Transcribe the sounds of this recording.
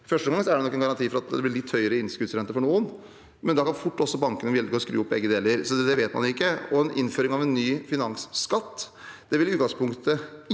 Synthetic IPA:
fœʂʈəɡɑŋsɔæɖɛnɔkːɛnɡɑɾɑnt̪ʰiːfɔɾɑt̪d̪ɛblɪlɪt̪ʰːhœʏəɾəɪnskʉd̪sɾɛnt̪əɾfɔɳuːən | mɛnd̪ɑkʰɑnfʊʈːɔsːɔbɑŋkənəjɛləɾɔskɾʉ̰ːʊpːbɛɡːəd̪eːləɾsɔd̪ɛʋeːt̪mɑ̰nʊɪkːəɔɛnʔɪ̰nføːɾɪŋɑʋɛnːyːfɪnɑŋsːkɑt̪ːd̪̥ɛʋɪlɪʉːt̪ɡɑŋspʰʊŋkt̪ə

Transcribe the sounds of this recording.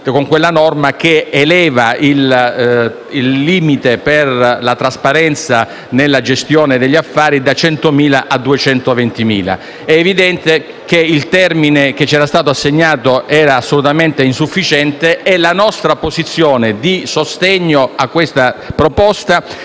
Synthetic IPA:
koŋkwelːanɔrmak̟eelɛːvail | ilːiːmit̪eperlat̪ɾaspaɾɛnt̪sa | nelːad͡ʒest̪joːned̪eʎːiafːaːɾid̪at͡ʃɛnt̪omiːlaʔad̪ːuet͡ʃɛnt̪ovent̪imḭːla̰ | ɛːvid̪ɛnt̪e | k̟eilt̪ɛrmineket͡ʃːɛːɾast̪aːt̪oasːeɲːaːt̪oʔɛːɾaːsːolut̪ament̪einsufːit͡ʃɛnt̪eɛlanɔst̪ɾapozit̪sːjoːned̪isost̪eɲːoakːwest̪apɾopɔst̪a

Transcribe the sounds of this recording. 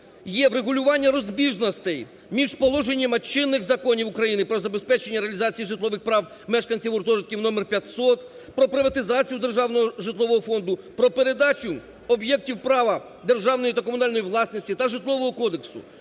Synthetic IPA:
jɛʋɾeɦʊlʲʊʋɑnʲːɐɾɔzʲbʲiʒnɔst̪ɛj | mʲiʒpɔlˠɔʒe̞nʲːɐmɐt͡ʃɪnːɪxzɐkɔnʲiwʊkɾɐjinɪpɾɔzɐbe̞spɛt͡ʃenʲːɐɾeɐlʲizɑt͡sʲijiʒɪt̪lˠɔʋɪxpɾɑw | mɛʃkɐnʲt͡sʲiwʊrt̪ɔʒɐt̪̚kʲiwnɔmerpʲjɐt̪sɔt̪ | pɾɔpɾɪʋɐt̪ɪzɑt͡sʲijʊd̪e̞rʒɑwnɔɦɔʒɪt̪lˠɔʋɔɦɔfɔnd̪ʊpɾɔpeɾed̪ɑt͡ʃʲʊ | ɔbjɛk̚tʲiwpɾɑʋɐ | d̪e̞rʒɑwnɔjit̪ɐkɔmʊnɑlʲnɔjiʋlˠɑsnɔsʲtʲit̪ɐʒɪt̪lˠɔʋɔɦɔkɔd̪eksʊ̰

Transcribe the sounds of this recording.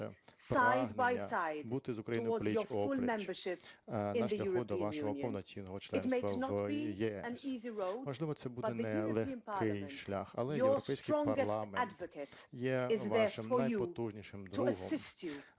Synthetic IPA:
spaɪdbaɪsaɪdbut̪ɪzʊkɾɐjiəw̪ɔdlʲzijəfɔʊlˠmɛ̃mbə˞ʃɪpnɪ̃ʃəjʲlʲɐʊxɹɔd̪ɔĩʋanjʃʉɔɦɔnjɔwnɔt͡sʲinɔɦɔt͡ʃlˠɛɪntsmeɪɐsnəbijɛɛə̃niziɹoʊmɔʒlˠɪʋɔt̪sɛbudb̪ɛnɛlˠeiə̃npʰɑlɪjʃlʲa̰xɐ̰lˠɛjəwɔpsɛjskɪɹ̥ɔ̃ŋɐɾɡɪlˠamɛadvɨkətjɛɪzʋðəʃɪməajuɔt̪uʒnʲiʃɪmd̪tʰəəɦɔsmɪst͡ʃu

